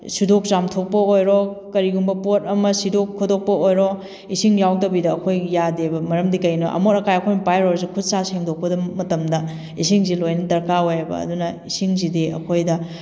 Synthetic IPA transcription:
sidok̚zamtʰok̚pɐojɾokɐɾiɡumbɐpotɐmɐsidokʰːodok̚pɐojɾo | isiŋjawdɐbidɐːkʰojjadebɐmɐɾɐmdikɐjnuʔɐ̰moɾɐkajɐkʰojmɐpajɾoɾzikʰud̚saseŋdok̚pɐdɐmɐtɐmdɐ | is̬iŋzilojnɐtɐɾkaojbɐ̰ːdunɐisiŋzidiɐ̰kʰojdɐ

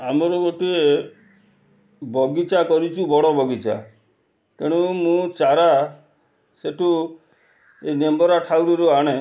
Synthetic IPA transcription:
amɔɾɔɡoʈie | bɔɡit͡ʃakɔɾit͡ʃʰubɔɽɔbʱɔɡit͡ʃa̰ | keɽ̃umũt͡ʃaɾa | seʈʰu | enembɔɾaʈʰawɾiɾuaɽ̃e

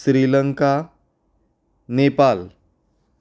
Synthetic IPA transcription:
sɾiləŋka | nepal

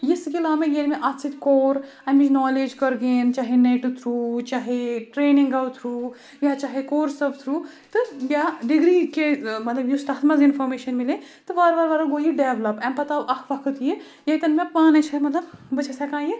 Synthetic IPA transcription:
jiskilaːmeɡelmeʔat̪sit̪koːɾ | ɐmid͡ʒnɔːled͡ʒkɐɾɡeːnt͡ʃaɦeneːʈut̪ʰɾuːt͡ʃaːɦeʈɾeːniŋɡawt̪ʰɾuː | jat͡ʃaːɦekoːɾsɐbt̪ʰɾuː | t̪ɨbʲjaɖiɡɾikemɐt̪lɐbjust̪aːt̪ʰmɐzinfʰɔɾmeːʃɐnmile | t̪ɨʋaɾʋɐɾʋaɾɐɡoːɦiɖeːʋlɐpɛmpɐt̪abɐkʰʋɐkʰət̪je | jet̪ɐnmepaːnet͡ʃʰɐmɐt̪lɐbbɐt͡ʃʰesakãːje

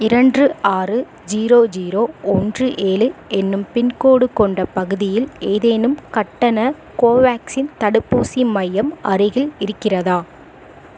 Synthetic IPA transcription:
ɪɾɐɳdrɯaːrɯ | d͡ʒiːɾoːd͡ʒiːɾoːɔndrɯʔeːlɯɛnːɯmpɪnkoːɽɯkɔɳɖɐpɐɣɯðɪjɪleːðeːnɯmkɐʈːɐnɐ | koːʋaːksɪnt̪ɐɽɯpːuːsimɐjɐmɐrɯɣɪlɪɾɯkːɪrɐðaː

